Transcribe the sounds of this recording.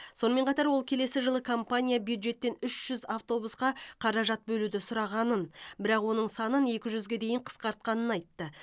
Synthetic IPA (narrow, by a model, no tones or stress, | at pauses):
so̞nəme̞ɴqʰɑt̪ɑɾwolˠkʲʰe̞le̞sɪʒəlˠəkʰo̞mpanʲijabjud̪ʒe̞t̪ːe̞nʏʃʒ̥ʏzaft̪o̞busqɑqʰɑɾɑʒɑt̪̚bɵlud̪ɪsʊɾɑʁɑnənbɪɾɑqwo̞nəɴsɑnəne̞kʲɪʒʏzɡʲe̞d̪e̞jɪɴqʰə̥sqɑɾt̪̚qɑnənɑjt̪ːə